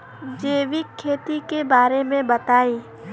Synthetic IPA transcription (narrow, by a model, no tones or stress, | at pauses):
d͡ʒeːʋɪkʰːeːt̪ikebaːɾemẽbɐt̪aːiː